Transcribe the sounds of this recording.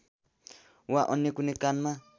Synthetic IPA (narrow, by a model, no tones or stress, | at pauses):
waʔɔnɛkunɛkana